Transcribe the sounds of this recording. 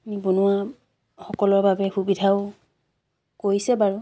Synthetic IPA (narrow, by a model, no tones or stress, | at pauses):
mibonʊwa | xɔkɔlɔɹbabɛxubidʱaʊ | koɹisɛbaɹu